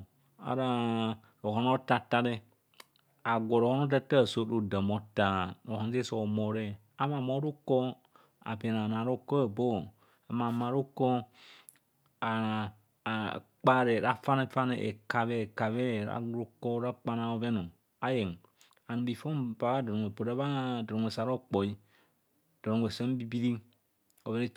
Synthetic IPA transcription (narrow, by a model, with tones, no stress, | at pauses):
a̰˨ɾa˦ | ɾo˨hɔ˨no˦ta˧ta˧ɾe˦ | a˨ɡʷɔ˨ɾo˨hɔ˦no˦ta˦ta˦˨so˦ɾo˦də˨mɔ˨ta˦ɾo˨hɔ˨n˦se˦sɔ˨mɔ˨ɾe˦ | a˨ma˨mɔ˦ɾu˦kɔ˦ | a̰˨be˨na˨nã˨ɾo˦ko˦˨bo˦ | a˨ma˨mã˨ɾu˦kɔ˦ | a˨ | k͡pa˦ɾe˨ɾa˦fa˦ne˦fa˦ne˨ʔḛ˨ka˨βɛ˦˨ka˨βɛ˦˨ɾa̰˦ɾu˦kɔ˦ɾa˦k͡pa˦na˦o˦vɛ˦no˨ | a˦je˨ŋ˨ | a˨n˨bi˨fo˦mba˨βa˦dɔ˨o˨e˨bo˨ɾe˦βa˦dɔ˨ɾo˨e˨sa˨ɾɔ˦k͡pɔ˨i˦ | d̥ɔ˨ɾo˨ŋʷ˨e˨sɛ˦m˦bi˦bi˦ɾi˦ | ɔ˨ve˦ne˦